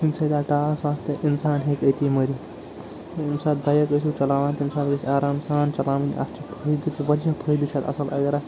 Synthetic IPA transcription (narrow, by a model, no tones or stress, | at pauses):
imsɐd̪aːʈaːsʋaːst̪eʔinsaːnɦekɐt̪ʲimɐɾi | msaːt̪̚bɐjɐkəsʲut͡ʃɐlaːʋaːnt̪imsaːt̪ɡɐsiaːɾaːmsaːnt͡ʃɐlaːmɐnʲɐ̰st͡ʃʰipʰɐid̪ɨt̪ʰiʋɐɾʲapʰɐjd̪ɨt͡ʃʰat̪ɐ̰sɐlɐ̰ɡɐɾa